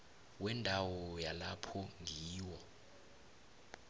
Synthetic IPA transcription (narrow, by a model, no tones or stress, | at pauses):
wɛndʱawɔjalapʰɔŋʱiːwɔ